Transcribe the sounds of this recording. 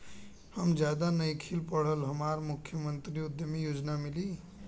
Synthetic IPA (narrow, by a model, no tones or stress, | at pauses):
həmd͡ʒjad̪anəjkʰilpəɽ̤əlɦəmaɾmukʰjəmənt̪ɾiud̪jəmejod͡ʒnamili